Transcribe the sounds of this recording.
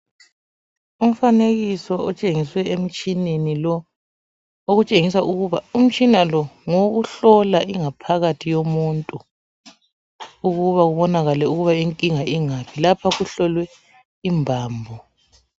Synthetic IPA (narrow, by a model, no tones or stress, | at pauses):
um̩faneɣisɔɔt͡ʃʼeŋiswɛem̩t͡ʃʼinenilɔ | oɣut͡ʃʼeŋisauɣuβaum̩t͡ʃʼinalɔŋoɣuɬɔlaʔiŋapʰaɣatʰijomuntʼu | uɣuβaɣuβɔnaɣalɛuɣuβaiŋkʼiŋaʔiŋapʰilapʰaɣuɬɔlwɛ | imbʱaːmbʱɔ